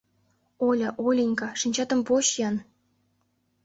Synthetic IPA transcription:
olʲɤʔolʲinʲkɑʂinʲt͡ɕɑt̪ɤ̆mpoɕjɑn

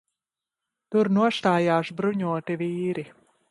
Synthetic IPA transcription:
t̪uɾnuɔst̪aːjaːʃbɾuɲuɔt̪iviːɾi

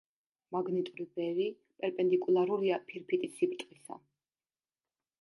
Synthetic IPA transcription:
maɡnit̪ʼuɾibɛvi | pʼɛɾpʼɛnd̪ikʼulˠaɾuɾiapʰiɾpʰit̪ʼisipɾt̪ʼqʼisa̰

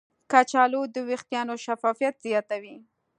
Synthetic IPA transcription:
kat͡ʃɑlod̪əwext̪jɑnoʃafɑfijat̪z̥jɑt̪awi

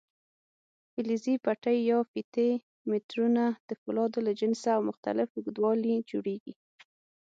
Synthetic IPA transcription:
fɪlizipaʈəjːɑfit̪e | mɪt̪ɾunad̪̥əfʊlɑd̪olad͡ʒɪnsaːwmʊxt̪a̰lɪfʊɡd̪wɑlid͡ʒoɽeɡḭ

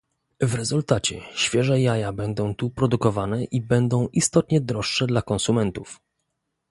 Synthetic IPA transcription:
vɾɛzult̪at͡ɕɛɕfʲjɛʐɛjajabɛnd̪ɔ̃w̃t̪upɾɔd̪ukɔvanɛʔibɛnd̪ɔ̃w̃ʔist̪ɔt̪ɲɛd̪ɾɔʂʂɛd̪lakɔnsumɛnt̪uf

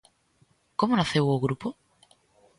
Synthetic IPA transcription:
komonaθewoɣɾupo

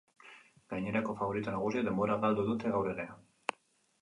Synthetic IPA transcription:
ɡ̥aɲeɾakofaβoɾit̪onaɣ̞uzieðemboɾaɣald̪oðut̪eɣawɾeɣea

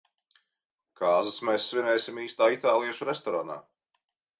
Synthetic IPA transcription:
kʰaːzɨsmɛjsːvʲinɛjsʲimiːst̪aːit̪aːlˠijɛʃuɾest̪ɔɾana̰ː

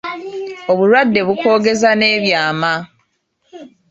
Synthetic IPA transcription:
o̞βuɾwadːe̞βuko̞ːɡe̞zane̞ːβjaːma

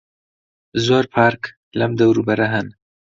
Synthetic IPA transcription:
zoɾpʰɑːɾk | lamd̪awɾubaɾaɦan

